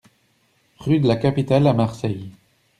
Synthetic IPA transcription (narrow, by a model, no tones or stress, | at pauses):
ʁyd̪əlakapit̪alamaʁsɛj